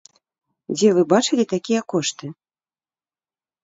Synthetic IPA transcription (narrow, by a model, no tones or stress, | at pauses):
d͡zʲɛvɨbat͡ʂɨlʲit̪akʲijɐkɔʂt̪ɨ